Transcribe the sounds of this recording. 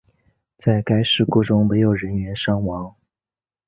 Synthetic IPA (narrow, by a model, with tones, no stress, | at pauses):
t͡sa˥˩ɪka˥ɪʂɻ̩˥˩kɔ˥˩ʈ͡ʂʊ˥ŋme˧˥ɪjo˨˩ʊɻə˧˥nɥɛ˧˥nʂɑ˥ŋwɑ˧˥ŋ